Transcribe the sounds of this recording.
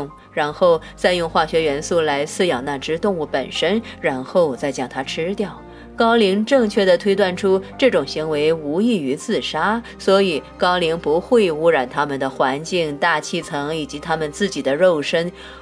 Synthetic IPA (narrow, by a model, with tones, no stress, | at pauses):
ŋ | ɻa˧˥nxo˥˧ʊ | t͡sa˥˧ɪjʊ˥˧ŋxwa˥˩ɕɥɛ˧˥ɥɛ˧˥nsu˥˩la˧˥ɪsɹ̩˥˧jɑ˨˩ŋna˥˩ʈ͡ʂɻ̩˥t̪ʊ˥˧ŋu˥˩pə̰˨˩nʂə˥nɻa˧˥nxo˥˧ʊt͡sa˥˧ɪt͡ɕjɑ˥˩ŋt̪ʰa˥ʈ͡ʂʰɻ̩˥t̪jɑ˥˩ʊ | kɑ˥ʊli˧˥ŋʈ͡ʂɤ˥˧ŋt͡ɕʰɥɛ˥˩d̪ə˩t̪ʰwe˥ɪt̪wa˥˩nʈ͡ʂʰu˥ʈ͡ʂɤ˥˩ʈ͡ʂʊ˨˩ŋɕi˧˥ŋwe˧˥ɪu˧˥i˥˩y˧˥t͡sɹ̩˥˩ʂa˥ | swɔ˧˥i˨˩kɑ˥ʊli˧˥ŋpu˧˥xwe˥˩ɪu˧˥ɻa˨˩nt̪ʰa˥mə˨nd̪ə˩xwa˧˥nt͡ɕi˥˩ŋt̪a˥˧t͡ɕʰi˥˩t͡sʰɤ˧˥ŋi˨˩t͡ɕi˧˥t̪ʰa˥mə˨nt͡sɹ̩˥˩t͡ɕi˨˩d̪ə˦ɻo˥˩ʊʂə˥n